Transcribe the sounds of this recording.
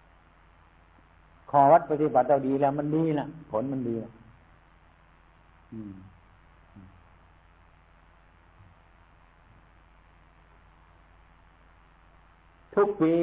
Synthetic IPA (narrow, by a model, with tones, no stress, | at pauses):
kʰɔː˨˦wa˦˥t̪̚pa˧t̪i˧˩ba˨˩t̪̚laː˧˩wdiː˨˧lɛː˧˩wma˧˥˨ndiː˧la˧˩ʔpʰo˨˦nma˧˥˨ndiː˨˧la˧˩ʔ | ʔɯː˧˩ | ʔɯː˧˩ | t̪ʰu˦˥k̚piː˧